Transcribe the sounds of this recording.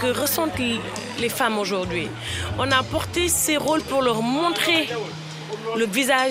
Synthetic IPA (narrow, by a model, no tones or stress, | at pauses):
kəʁəsɑ̃t̪ | lefamoʒuʁd̪ɥi | ɔ̃napɔʁt̪eseʁolpuʁlœʁmɔ̃t̪χe | ləviza